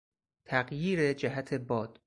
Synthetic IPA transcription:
t̪ʰæɢjiːɾed͡ʒæɦæt̪ʰe̞bɒːd̪̥

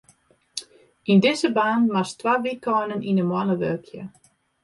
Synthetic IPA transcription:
indɪzəbaːnmastwaʋikɔnəninənmwanəʋølkʰjə̰

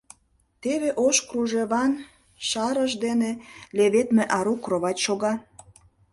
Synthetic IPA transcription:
t̪eβeʔoʃkruʒeβɑn | ʃɑɾəʒd̪eneleβet̪meʔɑɾukroβɑt͡ɕʃoɣɑ

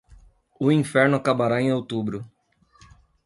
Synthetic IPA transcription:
ʊĩfɛɾnʊakabaɾaẽj̃ot̪ubɾʊ

